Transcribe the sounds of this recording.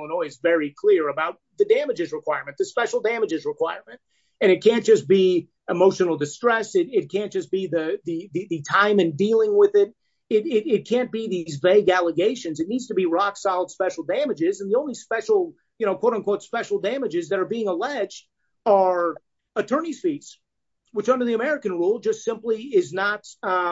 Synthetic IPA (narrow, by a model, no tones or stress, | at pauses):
nɔɪzvɛɹikʰl̥ɪɹɨbaʊt̪̚ðɨdæmɨd͡ʒɨzɹɨkʰw̥aɪɹmɨ̃n̚ðɨspɛʃl̩ˠdæmɨd͡ʒɨzɹɨkʰw̥aɪɹmɨ̃nt̚ | ɨ̃ɾ̃ɨt̚kʰæ̃nd̥ʒ̥ʌsb̥i | əmoʊʃɨn̩l̩ˠdɨstɹ̥ɛsɪɾɪt̚kʰæ̃nd̥ʒ̥ʌsb̥iðɨðɨðɨðɨtʰãɪ̃mɨ̃ndilˠɪ̃ŋwɪðɪt̚ | ɪɾɪɾɪt̚kʰæ̃nb̥iðizveɪɡælˠəɡeɪʃɨ̃nzɨtⁿnidz̥tɨbiɹɑksaɪlˠd̥spɛʃl̩ˠdæ̃mɨd͡ʒɪzɨ̃n̩ðiõʊ̃nlispɛʃl̩ˠ | jɨñoʊkʰwoʊɾ̃nkʰwoʊtspɛʃl̩ˠdæ̃mɨd͡ʒɨzðɨɾə˞biɪ̃ŋəlɛd͡ʒd | ə˞ | ɨtʰɜ̃˞nisfits | wɨt͡ʃʌ̃ndə˞ðiɨmɛɹɨkɨ̃nɹulˠd͡ʒʌstsɪ̃mpliɪznət̚